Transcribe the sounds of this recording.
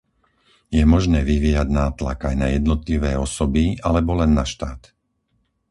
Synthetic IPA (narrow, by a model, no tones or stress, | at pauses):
jɛmɔʒnɛːʋiʋiːjaɟnaːt̪la̰kajnajɛd̪nɔt̪liʋɛːɔsɔbialɛbɔlɛnːaʃt̪aːt̪